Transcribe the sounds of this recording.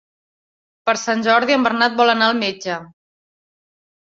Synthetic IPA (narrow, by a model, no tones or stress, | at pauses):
pəɾsanʲʒɔɾðiəmbəɾnat̪̚bɔlənaəlˠmed͡ʒə